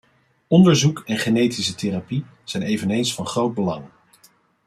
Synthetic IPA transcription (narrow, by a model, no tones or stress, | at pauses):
ɔndəɹzukɛnχenejtisəterapi | z̥ɛjnejvənejnsfɑnχrowd̚bəlɑŋ